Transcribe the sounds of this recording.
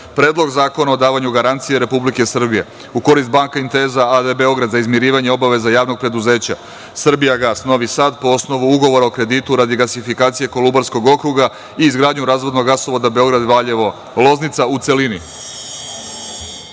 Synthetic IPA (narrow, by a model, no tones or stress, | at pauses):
pɾeːd̪lo̞ɡzaːko̞nao̞d̪aːʋaɲuɡaɾant̪sije̞ɾe̞publike̞sr̩bije̞ | uko̞ɾist̪̚baŋkaint̪e̞ːzaad̪ebe̞o̞ɡɾad̪zaizmjiɾiːʋaɲe̞o̞baʋe̞zajaːʋno̞ɡ̚pɾe̞d̪uze̞ːt͡ɕa̰ | sr̩bijaɡasno̞ʋisaːd̪po̞o̞sno̞ʋuuɡo̞ʋo̞ɾaokɾe̞d̪it̪uɾad̪iɡasifikaːt̪sije̞ko̞lubaɾsko̞ɡo̞kɾuɡa | iːzɡɾaːd̪ɲuɾaːzʋod̪no̞ɡaso̞ʋod̪abe̞o̞ɡɾad̪ʋaʎe̞ʋo̞ | lo̞znit̪saut̪se̞lini